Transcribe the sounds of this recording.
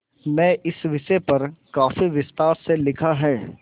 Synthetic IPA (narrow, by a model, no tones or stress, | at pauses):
mɛ̃ːʔɪsʋɪʃɛpɐɾkaːfiʋɪst̪aːɾselɪkʰaɦɛː